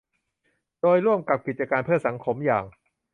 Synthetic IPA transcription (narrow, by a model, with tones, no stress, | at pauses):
doː˧jɾu˥˩əmka˨˩p̚ki˨˩t̪̚t͡ɕa˧kaː˧npʰɯ˥˩ɐsa˩˦ŋkʰo˧˦˥mjaː˨˩ŋ